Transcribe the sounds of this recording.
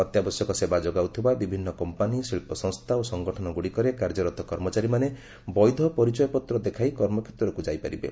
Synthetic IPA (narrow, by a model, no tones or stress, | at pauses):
ɔt̪jabɔsjɔkɔsebad͡ʒoɡawt̪ʰibabibʱinːɔkɔmpanisilpɔsɔ̃ŋst̪ʰaosɔŋɡɔʈʰɔnɔɡuɽikɔɾekaɾd͡ʒɔɾɔt̪ɔkɔɾmɔt͡ʃaɾimane | bɔjd̪ʱɔpɔɾit͡ʃɔjɔpɔt̪ɾɔd̪ekʰajkɔɾmɔkʰet̪ɾɔkud͡ʒajpaɾibḛ